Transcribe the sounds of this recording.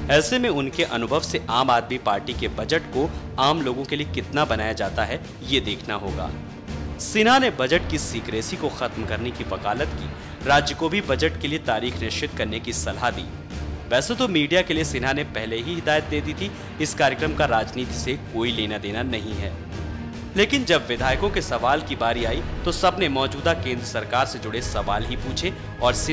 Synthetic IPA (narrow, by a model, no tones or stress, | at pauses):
ɛːsemẽʊnkeʔɐnʊbʱəʋseʔaːmaːd̪mipaːɾʈikebɐd͡ʒəʈko | aːmloːɡõkeliekɪt̪nabɐnaːjad͡ʒaːt̪aɦɛ | jed̪eːkʰnaɦo̰ːɡa̰ː | sɪnɦanebɐd͡ʒəʈkisiːkɾeːsikoxɐt̪mkɐɾnekiʋɐkaːlət̪kḭː | ɾaːd͡ʒjəkobʱibɐd͡ʒəʈkeliet̪aːɾiːxnɪʃɪt̪kɐɾnekisɐlɦad̪ḭː | ʋɛːset̪omiːɖijakeliesɪnanepɛɦleɦiɦɪd̪aːjət̪̚d̪eːd̪it̪ʰi | ɪskaːɾjəkɾəmkaɾaːd͡ʒniːt̪isekoːileːnad̪eːnanɐɦĩɦɛ̰ː | leːkɪnd͡ʒɐbʋɪd̪ʱaːjkõkesɐʋaːlkibaːɾiaːit̪osɐbnemɔːd͡ʒuːd̪akẽːnd̪ɾəsɐɾkaːɾsed͡ʒʊɽesɐʋaːlɦipuːt͡ʃʰe | ɔːɾsɪ